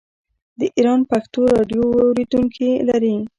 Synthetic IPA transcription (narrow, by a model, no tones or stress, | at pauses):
d̪əʔiɾɑnpaxt̪oɾɑɖjoawɾed̪uŋkʰilaɾi